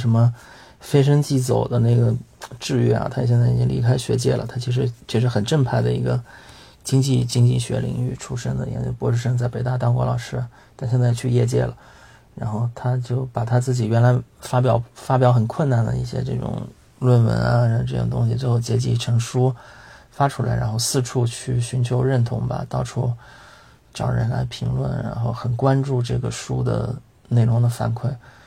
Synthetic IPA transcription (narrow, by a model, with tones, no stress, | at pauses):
ʂə˧˥nmə˧ | fe˥ɪʂ̬ə˥ŋt͡ɕi˥˩t͡so˨˩ʊd̪ə˦na˥˩ɪɡə˩ʈ͡ʂɻ̩˥˧y˥˩ɐ̰˨˩t̪ʰa˥jɕjɛ˥˧nt͡sa˥˩i˨˩t͡ɕi˥ŋlḭ˧˥kʰa˥ɪɕɥɛ̰˧˥t͡ɕjɛ̰˥˩lə̰˩t̪ʰa˥t͡ɕʰi˧˥ʂɻ̩˧˥t͡ɕʰy˥˩ʂɻ̩˧˥xə˨˩nʈ͡ʂə˥˧ŋpʰa˥˩ɪd̪ə˩i˧˥ɡə˧ | t͡ɕi˥ŋt͡ɕi˥˩t͡ɕi˥ŋt͡ɕi˥˩ɕɥɛ̰˧˥lḭ˧˨˩ŋy̰˥˩ʈ͡ʂʰu˥ʂə˥ŋd̪ə̰˨i˧ɛ̰˧˥t͡ɕjo˥˩pu˧˥ʂɻ̩˥˧ʂə˥ŋt͡sa˥˩ɪpe˧˥ɪt̪a˥˧˩t̪ɑ˥ŋkwɔ̰˧˥lɑ˨˩ʊʂɻ̩˥˩ | t̪ʰa˥˧ɕjɛ˥˧nt͡sa˥˩ɪ˩t͡ɕʰy˥˧jɛ˥˧t͡ɕjɛ̰˥˩lə̰˩ | ɻa˧˥nxo˥˩ʊt̪ʰa˥t͡ɕjo˥˩ʊpa˨˩t̪ʰa˥t͡sɹ̩˥˩t͡ɕi˨˩ɥɛ˧˥nla˧˥ɪfa˥p̬jɑ˨˧˩ʊfa˥p̬jɑ˧˥ʊxə˨˩nkʰwə˥˩na˨˩nd̪ə̰˩ḭ˥˩ɕjɛ̰˥ʈ͡ʂɤ̰˥˩ʈ͡ʂʊ̰˨˩ŋ | lwə˥˩nwə̰˧˥nɐ̰˧˥˩ʈ͡ʂɤ˥˩ʈ͡ʂʊ̰˨˩ŋt̪ʊ̰˥ŋɕ̬i˨˩t͡swe˥˧ɪxo˥˩t͡ɕjɛ˧˥t͡ɕi˥˩ʈ͡ʂʰɤ˧˥ŋʂu˥ | fa˥ʈ͡ʂʰu˥˩la˧ɪɻa̰˧˥nxo˥˧ʊsɹ̩˥˧ʈ͡ʂʰu˥˧t͡ɕʰy˥˩ɕy˧˥nt͡ɕʰjo˧˥ʊɻə˥˩nt̪ʰʊ˧˥ŋbɐ̰˧t̪ɑ˥˧ʊʈ͡ʂʰu˥ | ʈ͡ʂɑ̰˨˩ɻə̰˧˥nla̰˧˥ɪpʰi˧˥ŋlwə̰˥˩nɻa̰˧˥nxo˥˩ʊxə˨˩nkwa˥nʈ͡ʂu˥˧ʈ͡ʂɤ˥˩ɡə˩ʂu˥d̪ə̰˨˩ | ne˥˩ɪɻʊ˧˥ŋd̪ə˧fa̰˧˥nkʰwe˥˩ɪ